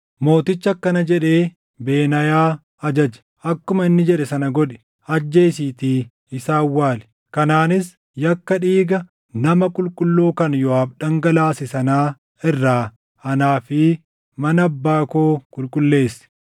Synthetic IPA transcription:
mo̞ːt̪ɪt͡ʃːɐkːɐnɐd͡ʒɛᶑe̞ː | be̞ːnɐjaː | ɐd͡ʒɐd͡ʒɐ̥ | ʔɐkːʊmɐɪnːɪd͡ʒɛᶑɛsɐnɐɡɔᶑɛ̥ | ɐd͡ʒːe̞ːsiːt̪iː | ɪsaːwːaːlɛ̥ | kɐnaːnɪs | jɐkːɐᶑiːɡɐ | nɐmɐkʼʊlkʼʊlːoːkɐnjɔaːbᶑɐŋɡɐlaːsɪsɐnaː | ɪrːaː | ɐnaːfɪ | mɐnːbːaːkoːkʼʊlkʼʊlːe̞ːsɪ̥

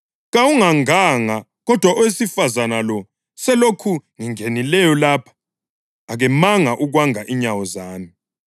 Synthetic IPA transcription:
ɣawuŋaŋaŋa | ɣɔd̥ʱwaʔɔwesifazanalɔ | sɛlokʰuŋiŋenilɛjɔlapʰḁː | ɣɛmaŋaʔuɣwaŋaʔiɲawɔzaːmi

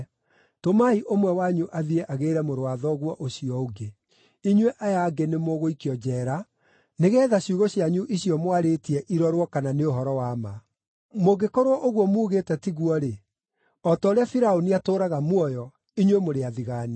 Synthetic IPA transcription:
tomaiʔomwɛwaɲuʔaðiɛʔaɣeːɾɛmoɾoaðɔɣwɔʔoɕiɔoɡe | iɲweʔajaɡenemoɣoikiɔd͡ʑɛːɾa | neɣɛːðaɕjuɣoɕiaɲuʔiɕiɔmwaɾetiɛʔiɾɔɾwɔkananeoɦɔɾɔwaːma | moɡekoɾwɔʔoɣwɔmuːɣeːtɛtiɣwɔɾe | ɔtɔɾeafiɾaoniatoːɾaɣamwɔjɔ | iɲwemoɾeaðiɣani

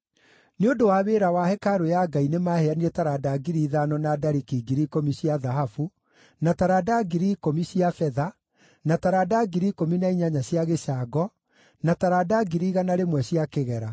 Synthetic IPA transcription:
neodowaːβeːɾawahɛkaɾojaɡainemaheaniɾɛtaɾadaɡiɾiːðanɔnadaɾikiɡiɾikomisiaðaɦafu | nataɾadaɡiɾikomisiafɛða | nataɾadaɡiɾiːkominaiɲaɲaɕiaɣesaɡɔ | nataɾadaɡiɾiːɣanaɾemwɛɕiakeɣɛɾa

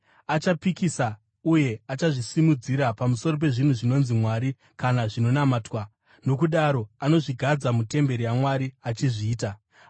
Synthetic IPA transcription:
at͡ʃapikisa | uje̞at͡ʃaʐisimud͡ziɾapamuso̞ro̞p̬e̞ʐin̤uʐino̞nzimwaɾi | kanaʐino̞namaːtwa | no̞k̬uɗaɾo̞ano̞ʐiɡʱad͡zamute̞mbe̞ɾijamwaɾiat͡ʃiʐiːta

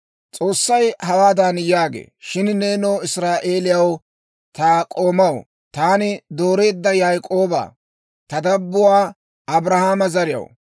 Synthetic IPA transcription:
t͡sʼo̞ːsːɐjhɐwaːd̪anjaːɡḛːʃɪnneːnoːɪsɾaːʔe̞ːlɪjɐw | t̪aːkʼo̞ːmɐw | t̪aːnɪd̪o̞ːɾe̞ːd̪ːɐjajkʼo̞ːbɐ̰ː | t̪ɐd̪ɐbːʊwaː | ɐbɾɐhaːmɐzɐɾɪjɐ̰w

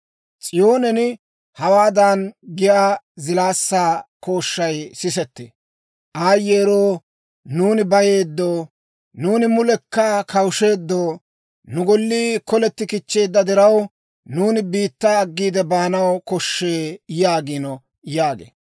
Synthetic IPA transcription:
t͡sʼɪjo̞ːnɛnɪ | hɐwaːd̪anɡɪjaːzɪlaːsːaːko̞ːʃːɐjsɪsɛt̪ːḛ | ʔaːjːeːɾo̞ː | nuːnɪbɐje̞ːd̪ːoː | nuːnɪmʊlɛkːɐkɐwʃe̞ːd̪ːoː | nʊɡɔlːiːkɔlɛt̪ːɪkɪt͡ʃːe̞ːd̪ːɐd̪ɪɾɐw | nuːnɪbiːt̪ːaːɡːiːd̪ɛbaːnɐwkɔʃːeːjaːɡinɔ | jaːɡḛː

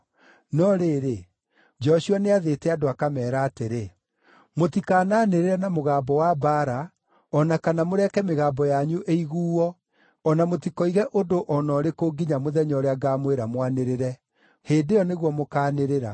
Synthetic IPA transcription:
nɔɾeːɾe | d͡ʒɔʃuaneaðetɛadoakamɛːɾaːteɾe | motikaːnaneɾeɾɛnamoɣaːbɔwabaɾa | ɔnakanamoɾɛkɛmeɣaːbɔjaɲuʔeiɣuːɔː | namotikɔiɣɛʔondoʔɔnɔːɾekoːɡiɲamoðɛɲɔɾeaɡamweɾamwaneɾeɾɛ | heːndejɔneɣwɔmokaːneɾeɾa

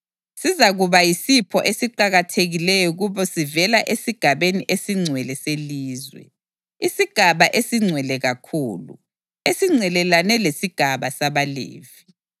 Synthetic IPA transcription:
sizaɣuβajisipʰɔ̰ʔesiǃaɣatʰeɣilɛjɔɣuβɔsivɛlaʔesiɡ̥ʱaβeniʔesiŋ͡ǀʱwɛlɛseliːzwɛ̰ | isiɡ̥ʱaβaʔesiŋ͡ǀʱwɛlɛɣakʰuːlṵ | esiŋ͡ǀʱɛlɛlanɛlesiɡ̥ʱaβasaβalḛːvi

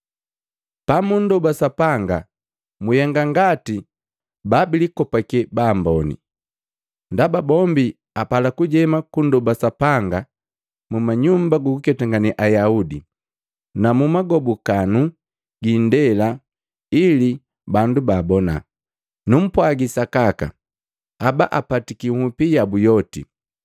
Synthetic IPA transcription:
pamun̩dɔbasapaŋɡa | mujɛŋɡaŋɡati | babilikɔpakɛbaːmbɔnḭ | ndababɔmbi | apalakuɟɛmakundɔbasapaŋɡa | mumaɲumbaɡukukɛtaŋɡaniʔajaudi | namumaɡɔbukanu | ɡindɛla | ili | bandubaːbɔna̰ | num̩pwaɡisakaka̰ | aba̰ʔapatikihupijabujɔtḭ

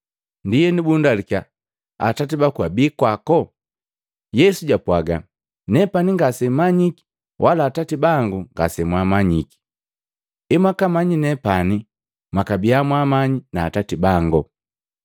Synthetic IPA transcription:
ndijɛnibundalika | a̰tatibakwabikwakɔ | jɛsuɟapwaɡa | nɛpaniŋɡasɛmaɲiki̥ | wʔalaːtatibaŋɡuŋɡa̰sɛmwamaɲiki̥ | ɛmwakamaɲinɛpani | makabiamwamaɲinaːtatibaŋɡɔ

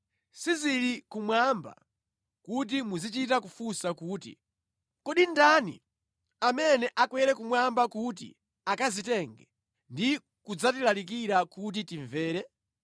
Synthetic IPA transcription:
sizilikumwamba̰ | kut̬imuzit͡ʃitakufusakuːtḭ | kɔɗindanḭ | amɛnɛʔakwɛɾɛkumwambakut̬ḭ | akazitɛŋɡɛ | ndi | kud͡zatilalik̬iɾakut̬itiɱvɛːɾɛ

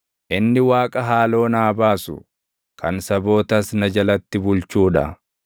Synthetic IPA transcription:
ʔɪnːɪwaːkʼɐɦaːlo̞ːnaːbaːsʊ̰ | kʰɐnsɐbo̞ːt̪ɐsnɐd͡ʒɐlɐt̪ːɪbʊlt͡ʃuːᶑɐ̰

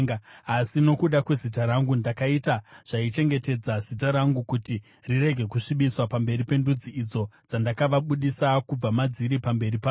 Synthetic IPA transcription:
asino̞kuɗakwe̞zitaɾaŋɡundakaitaʐ̥ait͡ʃe̞ŋɡe̞te̞d͡zaz̥it̬aɾaŋɡukuti | rire̞ɡʱe̞kuʂiɓiswapambe̞ɾipe̞ndud͡ziid͡zo̞d͡zandakaʋaɓuɗisakub͡vamad͡ziɾipambe̞ripa

